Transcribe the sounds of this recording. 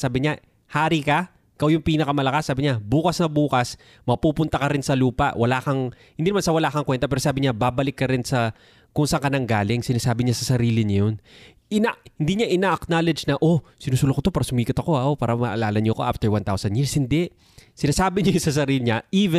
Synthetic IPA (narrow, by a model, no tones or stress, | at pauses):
saːbɪɲa | haːɾikɐ | ɪkawjʊŋpiːnɐkɐmɐlɐkasːaːbɪɲabuːkɐsnɐbuːkɐs | mɐpuːpʊnt̪ɐkɐɾɪnsɐluːpɐʔwɐlaːkɐŋhɪnd̪inɐmansɐwɐlaːkɐŋkwɛnt̪ɐpɛːɾosaːbɪɲababɐlɪkːɐɾɪnsɐ | kʊŋsɐŋkɐnaŋɡaːlɪŋsɪnaːsaːbɪɲasɐsɐɾiːlɪɲɐjon | ɪnahɪnd̪iːɲaʔɪnaːʔɐknalɛd͡ʒnɐʔosɪnuːsulokot̪opaːɾɐsʊmiːkɐt̪ɐko̞aopaːɾɐmɐʔɐlaːlɐnɲoɐko̞ʔaft̪ɛɹwant̪awsɐnd̪jiɹshɪnd̪ɛʔ | sɪnaːsaːbɪɲɐjʊsɐsɐɾiːlɪɲaʔiːvɛ